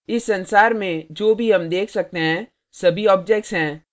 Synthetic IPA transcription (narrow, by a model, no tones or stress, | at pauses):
ɪsːɐ̃nsaːɾmẽd͡ʒoːbʱiɦɐmd̪eːkʰsɐk̚t̪eɦɛ̃ | sɐbʱiɔːp̚d͡ʒɛk̚ʈsɦɛ̃ː